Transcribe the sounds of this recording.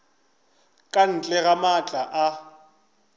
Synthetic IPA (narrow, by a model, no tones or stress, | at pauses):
kʼan̩t͡ɬʼɛɣamat͡ɬʼaʔa